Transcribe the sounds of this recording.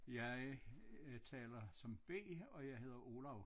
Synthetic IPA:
jɑ̈ɪ | t͡sʰɛ̰ːlɐsɒ̽mb̥e̝̰ːɒ̽jɑ̈ɪɦe̝ð̰ˠɐʔo̝ːlɑʊ

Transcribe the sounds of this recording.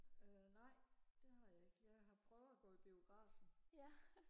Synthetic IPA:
ønɑ̈ɪ̰d̥e̝hɑ̈jɑe̝ɡ̥jɑ̈ɪɦɑ̈pʰʁœʊð̩ˠæɡ̥ɔ̰̽ːib̥io̝ɡ̥ʁɑ̰̈ːf

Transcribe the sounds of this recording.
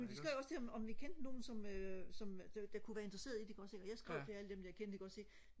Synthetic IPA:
mend̥e̝sɡ̥ʁɛʊɒ̽sd̥eɒmɒ̽mʋikʰend̥əno̝ːn̩sɒ̽møsɒ̽md̥d̥ɑ̈kʰuʋæːɐe̝nd̥ʁɐse̝̰ːɐð̞ˠid̥eɡ̥ɒ̽d̥se̝ɡ̥ɒ̽jɑ̈sɡ̥ʁaʊ̰fʰeæləd̥emd̥æjkʰend̥iɡ̥ɒ̽d̥se̝ɡ̥

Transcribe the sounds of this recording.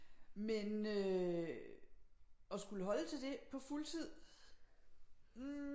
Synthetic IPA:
menø | ɒ̽sɡ̥uləɦɒ̽lət͡sʰe̝ld̥e̝pʰɒ̽fult͡sʰið̞̰ˠ

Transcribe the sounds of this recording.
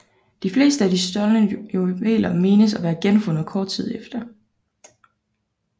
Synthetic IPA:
d̥ifle̝̰ːsd̥əæd̥isd̥ɒ̽lnəʋḛːlɐme̝ːnəsæʋæːɐɡ̥enfɔ̽nð̩ˠkʰɒːd̥̚t͡sʰið̞̰ˠefd̥ɐ

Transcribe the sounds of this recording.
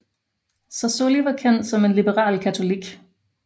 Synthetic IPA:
sɒso̝liʋɑ̈kʰen̰d̥sɒ̽me̝nlib̥əʁɑ̰̈ːlkʰæt͡sʰo̝liɡ̥

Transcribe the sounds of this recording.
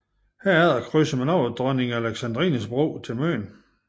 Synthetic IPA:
hæɐ̰æɐðˠɐkʰʁysəmænɒʊðd̥ʁɶneŋææleɡ̥sænd̥ʁḭnəsb̥ʁo̰ːt͡sʰe̝lmø̰ːn

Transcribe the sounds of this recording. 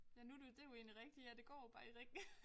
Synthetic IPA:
jænud̥ud̥e̝joe̝̰ːnliʁɛɡ̥̚d̥ijæd̥e̝ɡ̥ɒ̰ːjob̥ɑ̈ːiʁeɡ̥

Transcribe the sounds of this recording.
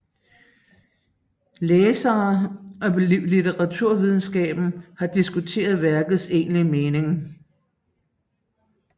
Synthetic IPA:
leːsɐːʔɒ̽lit͡seʁɑ̈t͡sʰuɐ̰ʋið̞ˠn̩sɡ̥ɛ̰ːb̥n̩hɑ̈d̥isɡ̥ut͡sʰe̝̰ːɐð̞ˠʋæɐɡ̥ð̩ˠse̝̰ːnlimeːne̝ŋ

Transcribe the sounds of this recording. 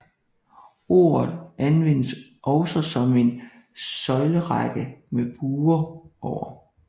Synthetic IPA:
o̝̰ːɐð̩ˠænʋen̰əs | ʔɒʊsɒsɒ̽me̝n | sɒ̽ɪləʁɑɡ̥əmeb̥uːɐʔɒʊ̰ɐ

